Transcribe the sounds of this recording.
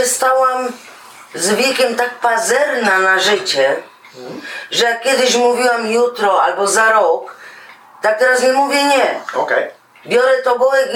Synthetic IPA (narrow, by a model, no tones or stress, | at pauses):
ɛst̪awam | zvʲjɛkʲɛmt̪ak̚pazɛɾnanaʐɘt͡ɕɛ | ʐɛjakːʲjɛd̪ɪɕmuvʲiwamjut̪ɾɔalbɔzaɾɔk | t̪ak̚t̪ɛɾasɲɛmuvʲjɛɲɛɔkɛ | bʲjɔɾɛt̪ɔbɔwɛk